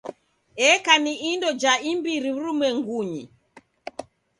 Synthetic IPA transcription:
ɛkaniʔindɔd͡ʒaimbiɾiuɾumwɛŋɡuɲḭ

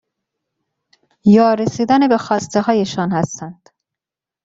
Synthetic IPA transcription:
jɒːɾesiːd̪ænebe̞xɒːst̪eɦɒːjeʃɒːnhæst̪ænd̪̥

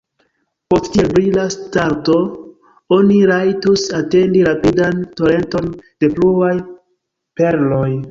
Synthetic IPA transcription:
po̞sttiebɾilastaɾto̞ | o̞niɾajtusate̞ndiɾapidanto̞ɾe̞nto̞nd̥e̞pluaj | pe̞ɾlo̞j

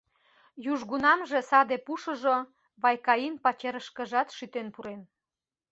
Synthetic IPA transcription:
juʒɣunɑmʒe̽sɑd̪epuʃə̆ʒo | βɑjkɑinpɑt͡ɕeɾəʃkə̆ʒɑt̪ʃyt̪enpuɾen

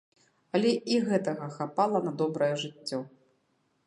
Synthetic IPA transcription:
ɐlʲɛiɣɛt̪ɐɣɐxapalˠɐnɐd̪ɔbɾɐjɛʐɨt͡sʲːɔ

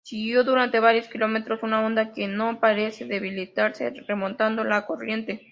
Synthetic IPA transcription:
siɣjo̞ðuɾant̪e̞βaɾjo̞skilo̞me̞t̪ɾo̞sunao̞nd̪ake̞no̞paɾe̞se̞ðe̞βilit̪aɾse̞̰re̞mo̞nt̪and̪o̞lako̞rje̞nt̪e

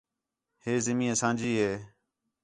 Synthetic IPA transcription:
heːzɪmĩːəsãːnd͡ʒiːɦeː

